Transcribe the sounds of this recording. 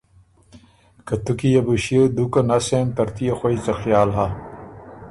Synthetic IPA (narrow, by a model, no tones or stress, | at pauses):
kɐt̪ukijɐbuɕiəd̪ukɐnɐsemt̪ɐɾt̪ijɐxoit͡sɐxjaːlɦa